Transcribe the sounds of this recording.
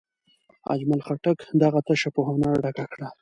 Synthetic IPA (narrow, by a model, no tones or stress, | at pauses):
a̰d͡ʒmalxaʈakd̪aɣat̪aʃapohonaɾɖakakɽa